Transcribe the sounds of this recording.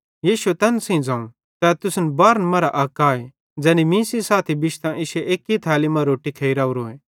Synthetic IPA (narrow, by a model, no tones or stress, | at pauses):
jiːʃuet̪ɛːnsẽĩd͡zãːũ | t̪ɛt̪ʊsnbaːɾənmɐɾaʔaːkaːe | d͡zɛːnimĩːsisaːt̪ʰibɪʃt̪ãʔɪʃeʔeːkit̪ʰɛːlimɐ̃ɾoːʈikʰeiɾaːuɾoːẽː